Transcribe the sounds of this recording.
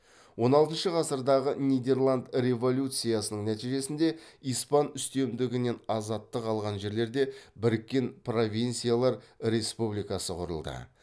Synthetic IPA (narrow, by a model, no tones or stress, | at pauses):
wo̞nɑlˠt̪ənʃəʁɑsəɾd̪ɑʁənijd̪e̞rlˠand̪rʲe̞vo̞lʲut̪sɨjasənəɴnæt̪ijʒe̞sɪnd̪e̞ijspɑnʏst̪e̞md̪ɪɡʲɪne̞nɑzɑt̪ːəqɑlˠʁɑnʒe̞ɾle̞ɾd̪e̞bɪɾɪkʲːe̞npro̞vʲijnt̪sijalˠɑɾɾe̞spublʲˠijkɑsəqʰʊɾə̰lˠd̪ə̰